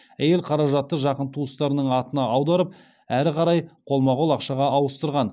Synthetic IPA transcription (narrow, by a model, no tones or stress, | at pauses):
æje̞lqʰɑɾɑʒɑt̪ːəʒɑqənt̪ʰuəst̪ɑɾənəɴɑt̪ənɑɑwd̪ɑɾəp̚ | æɾɪqʰɑɾɑjqʰo̞lˠmɑʁolˠɑqʃɑʁɑɑwəst̪əɾʁɑn